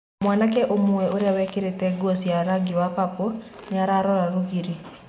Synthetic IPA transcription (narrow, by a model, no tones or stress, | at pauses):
mwanak̬ɛʔomoɛoɾeawɛkeɾetɛɡosiaɾaɡiwapapɔneaɾaɾɔɾaɾoɣiɾi